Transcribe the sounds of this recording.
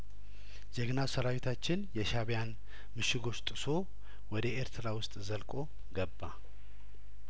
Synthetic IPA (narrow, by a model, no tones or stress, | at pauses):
zɛɡnasəɾawit̪ʰat͡ʃːɪnjɛʃaβjan | mɨʃɪɡo̞t͡ʃːt̪ʼɨso̞ | wɔd̪əeɾt̪ʰɨɾawʊst̪ʼzəlkʼo̞ | ɡəbːa